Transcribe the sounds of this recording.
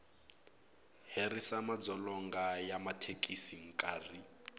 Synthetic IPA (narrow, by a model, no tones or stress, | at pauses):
ɦerisamad͡zɔlɔŋɡajamatʰekʼisiŋ̩kʼaːri